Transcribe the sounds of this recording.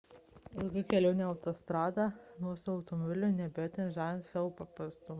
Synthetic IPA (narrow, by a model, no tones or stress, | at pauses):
ɪlˠɡʲɐkʲɛlʲɛʊnʲɛːɐʊt̪oːst̪ɾɑːd̪ɑnuɔsʊɐʊt̪ɔmɔbʲɪlʲʊnʲɛbʲejoːt̪ʲɛnʒɑːnsɑːʋoːpɐpɾɐst̪ʊmɐ